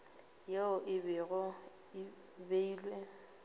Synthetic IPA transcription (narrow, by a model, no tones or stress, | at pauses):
jeʊʔɪbɪɣʊ | ɪ | beiːlwe